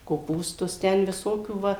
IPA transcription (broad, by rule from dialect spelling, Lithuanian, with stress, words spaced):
koːˈpuːstʊs ˈtʲɛn ʋʲɪˈsoːkʲuː ˈʋɐ